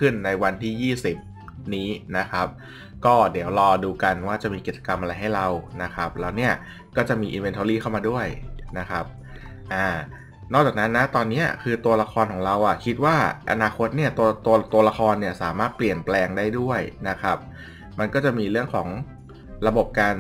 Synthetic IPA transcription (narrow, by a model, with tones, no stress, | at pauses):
kʰɯ˥˩nːa˧jwa˧nt̪ʰiː˥˩jiː˥˩si˨˩p̚ | niː˦˥na˦˥kʰa˦˥p̚ | kɔː˥˩di˩˦əwɾɔː˧duː˧ka˧nwaː˥˩t͡ɕa˨˩ʔmiː˧ki˨˩t͡ɕḁ˧ka˧mʔa˧ɾa˧jɦa˥˩jɾa˧wna˦˥kʰa˦˥p̚lɛː˦˥wni˥˩ɐ | kɔː˥˩t͡ɕa˨˩miː˧ʔḭ˧nwe˧nt̪ʰoː˧liː˥˩kʰa˥˩wmaː˧du˥˩əjna˦˥kʰa˦˥p̚ | ʔaː˧˩ | nɔː˥˩t͡ɕaː˨˩kna˦˥nːa˦˥t̪ɔː˧nːi˦˥ɐkʰɯː˧t̪u˧ɐla˧xʰɔː˧nkʰɔː˩˦ŋɾa˧wʔa˨˩kʰi˦˥t̪̚waː˥˩ʔa̰˧naː˧xʰo˦˥t̪̚ni˥˩ɐt̪u˧ɐt̪u˧ɐt̪u˧ɐla˧xʰɔː˧nːi˥˩ɐsaː˩˦maː˥˩t̪̚pli˨˩ənplɛː˧ŋdaː˥˩jdu˥˩əjna˦˥kʰa˦˥p̚ | ma˧nkɔː˥˩t͡ɕa˨˩ʔmiː˧ɾɯ˥˩əŋkʰɔ̰ː˩˦ŋ | ɾa˧bo˨˩p̚kaː˧n